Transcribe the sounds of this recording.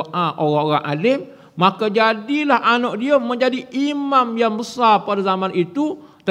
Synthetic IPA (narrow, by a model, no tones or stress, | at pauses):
ʔaʔoɾaŋoɾaŋʔa̰lɪmː | akad͡ʒadilahʔanɔʔdiəmə̃ɲd͡ʒadiʔimamjaŋbəsarpadazamãnit̪u | t̪ə